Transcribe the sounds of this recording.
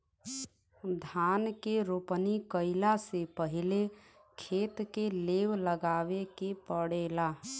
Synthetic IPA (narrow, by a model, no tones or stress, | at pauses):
d̪ʱankeɾopnikəɪlasepəɦile | kʰet̪kelewləɡaʋekepəɽela